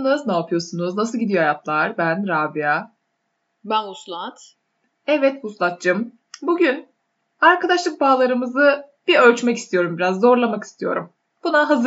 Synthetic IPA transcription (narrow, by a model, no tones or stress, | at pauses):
nɯznaːpʰɯjo̞sunuznasɯlˠɟid̪ijohajat̪ʰlˠaɾbænɾaːbija | banuslˠat̪ | ɛvɛt̪huslˠat̪̚d͡ʒɯm | buɟyn | aɾkʰad̪aʃlˠɯk̚baːlˠaɾɯmɯzɯ | b̥iølʲt͡ʃmɛci̥st̪ʰijo̞ɾumbiɾazːo̞ɾlˠamaki̥st̪ʰijo̞̰ɾum | b̥unaɦaz